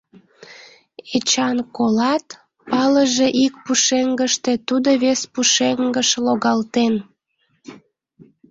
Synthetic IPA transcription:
et͡ɕɑnkolɑt̪ | pɑləʒeʔik̚puʃeŋɡəʃt̪e̽t̪ud̪oβespuʃeŋɡəʃloɣɑlt̪en

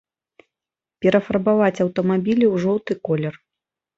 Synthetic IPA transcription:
pʲɛɾɐfɐrbavat͡sʲɐwt̪ɐmabʲilʲiwʐɔwt̪ɨkɔlʲɛr

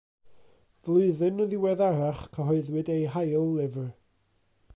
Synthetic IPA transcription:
vlˠʊɨðɨnəðɪwɛðaɾaχkʰəɦɔɨðwɨdejɦajlˠːɪvr

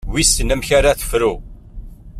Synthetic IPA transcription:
wisənəmçaɾaθə̥fɾu

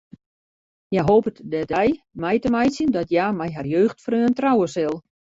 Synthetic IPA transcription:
jaɦoːpətdɛdɛjmɛjtəmɛjsjəndɔtjamɛjɦarjøːxtfrøːəntrawəsɪlˠ

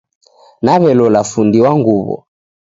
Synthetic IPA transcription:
naβɛlɔlafundiwaŋɡuβɔ̰

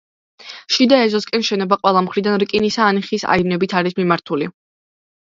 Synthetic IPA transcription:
ʃid̪aɛzɔskʼɛnʃɛnɔbaqʼwɛlˠamχɾid̪anɾkʼinisaːniχisa̰inɛbit̪ʰaɾismimaɾt̪ʰuli

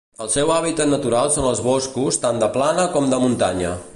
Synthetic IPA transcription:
əlˠsɛwaβit̪ət̪nət̪uɾalˠsonəlˠzβoskust̪and̪əplanəkɔmd̪əmunt̪aɲə

